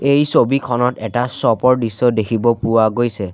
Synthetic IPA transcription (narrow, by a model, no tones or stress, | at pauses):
ejsobikʰɔnɔtɛtasɔpɔɹdisːɔdekʰibɔpʊwaɡojsɛ